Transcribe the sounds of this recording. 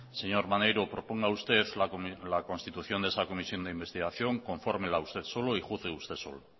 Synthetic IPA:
se̞ɲo̞ɾmanejɾopɾo̞po̞ŋɡaust̪e̞ðlalako̞nst̪it̪uθjond̪esako̞misjo̞nd̪eimbe̞st̪iɣ̞aθjo̞ŋko̞ɱfo̞ɾmelaust̪e̞ðso̞loixuθɣeust̪e̞so̞̰l

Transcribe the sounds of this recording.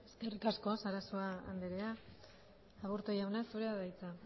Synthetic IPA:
e̞ske̞rikasko̞saɾasoa̰ːnd̪eɾeaː | βuɾt̪ojawnasuɾeaðajt͡sa

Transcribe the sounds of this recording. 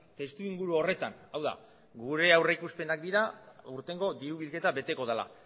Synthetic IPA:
t̪e̞st̪uiŋɡuɾuo̞re̞t̪anawða̰ | ɡuɾe̞awreikuspe̞nakd̪iɾauɾt̪e̞ŋɡo̞d̪iɾuβilke̞t̪aβe̞t̪e̞ko̞ð̞ala̰

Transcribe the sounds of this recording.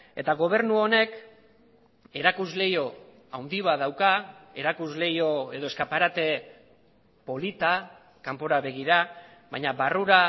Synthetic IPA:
e̞t̪aɣo̞β̞e̞ɾnuone̞k | e̞ɾakuzle̞jo̞ | awnd̪iβað̞awkae̞ɾakuzle̞jo̞e̞ðo̞eskapaɾat̪e̞ | po̞lit̪a | kampo̞ɾaβe̞ɣ̞iɾa | βajɲaβaruɾa

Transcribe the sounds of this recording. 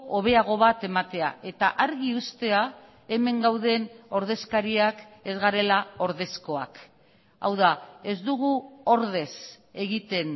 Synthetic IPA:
oβ̞e̞aɣ̞o̞βat̪e̞mat̪e̞a̰e̞t̪aʔaɾɣiust̪e̞a | e̞me̞ŋɡawðe̞no̞ɾðe̞skaɾiake̞zɣaɾe̞lao̞ɾð̞e̞sko̞a̰k | a̰wðae̞zd̪uɣ̞uo̞ɾð̞e̞s | e̞ɣit̪e̞n

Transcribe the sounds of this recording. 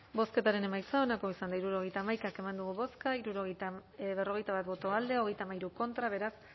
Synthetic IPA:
bo̞ske̞t̪aɾe̞ne̞majt͡sao̞nako̞isand̪aiɾuɾoɣ̞ejt̪aːmajkake̞mand̪uɣ̞uβo̞skaiɾuɾoɣβero̞ɣe̞jt̪aβat̪̚βo̞t̪o̞ald̪e̞o̞ɣe̞jt̪aːmajɾuko̞nt̪ɾaβ̞e̞ɾas

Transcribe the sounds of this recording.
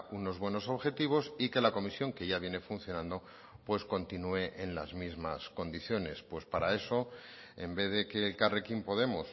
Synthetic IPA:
uno̞zβwe̞no̞so̞βxe̞t̪iβ̞o̞sike̞lako̞misjo̞ŋke̞ʝaβje̞ne̞funθjo̞nãnd̪o̞ | pwe̞sko̞nt̪inue̞ʔenla̰zmizma̰sko̞nd̪iθjo̞ne̞spwe̞spaɾae̞so̞ | e̞mbe̞ðe̞ke̞lkare̞kimpo̞ðe̞mos

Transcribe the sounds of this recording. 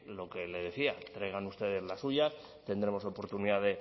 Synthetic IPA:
lo̞ke̞le̞ð̞e̞θiat̪ɾe̞ɣ̞anust̪e̞ðe̞zlasuʝas | t̪e̞nd̪ɾe̞mo̞so̞po̞ɾt̪uniðaðe̞

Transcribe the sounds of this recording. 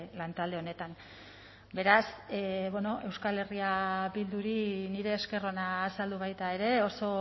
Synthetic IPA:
lant̪ald̪e̞o̞ne̞t̪an | be̞ɾasβono̞ʔe̞wskale̞riabild̪uɾiniɾe̞ːske̞ro̞naːsald̪uβ̞ajt̪ae̞ɾe̞o̞so̞

